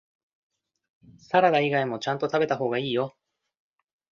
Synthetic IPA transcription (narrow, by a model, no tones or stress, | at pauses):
saɾad̪aiɡaimo̞t͡ɕãnt̪o̞t̪abe̞t̪aɦo̞ːɡaiːjo̞